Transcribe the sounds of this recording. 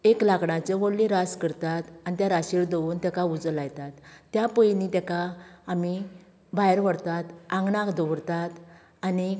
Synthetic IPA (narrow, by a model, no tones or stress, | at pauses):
eklakɳat͡ɕeʋoɽliɾaskəɾt̪at̪anit̪jaɾaɕiɭd̪oʋuːnt̪akaud͡zəlajt̪at̪ːjapəjnit̪akaːmi | bajɾʋəɽt̪at̪ãŋɡɳakd̪ɔʋɽt̪at̪ | ani